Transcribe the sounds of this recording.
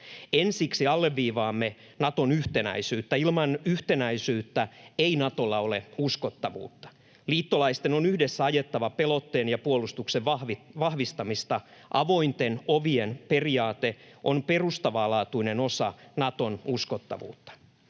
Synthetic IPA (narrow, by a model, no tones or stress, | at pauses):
ensiksiɑlːeʋːiːʋɑːmːe | nɑt̪onyht̪enæ̰isyːt̪ːæilmɑnyht̪enæisyːt̪ːæeinɑt̪o̞lːɑoleuskot̪ːɑʋṵːt̪ːɑ̥ | liːt̪ːolɑist̪enonyhdesːæɑjet̪ːɑʋɑpelo̞t̪ːeːnjɑpuolust̪ukseʋɑhʋiʋɑhʋist̪ɑmist̪ɑʔɑʋo̞int̪enoʋienperiɑːt̪eʔompe̞rust̪ɑʋɑːlɑːt̪uineno̞sɑnɑt̪o̞nusko̞t̪ːɑ̰ʋṵːt̪ːɑ̥